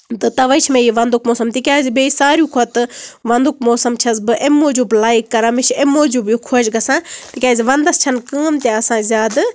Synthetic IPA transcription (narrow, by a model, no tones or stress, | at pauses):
t̪ɨt̪ɐʋɐjt͡ʃʰmẽjiʋɐnd̪ukmoːsɐmt̪ikʲaːzibeisaːɾjukʰot̪ɨʋɐnd̪ukmoːsɐmt͡ʃʰɐsbɨʔemːoːd͡ʒublaːjkːɐɾɐmiʃʰemːoːd͡ʒubjukʰoːd͡ʒɡɐsãːt̪ikʲjaːziʋɐnd̪ɐst͡ʃʰɐnkɨːmt̪ʲeɐsãːzʲaːd̪